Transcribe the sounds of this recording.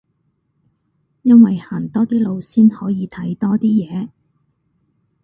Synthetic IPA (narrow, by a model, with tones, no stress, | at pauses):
jɐ˥nwɐ˨jhaː˨˩nt̪ɔː˥t̪iː˥lo˨˧wsiː˥nhɔː˨˥jiː˨˧t̪ʰɐ˨˥jt̪ɔː˥t̪iː˥jɛː˨˧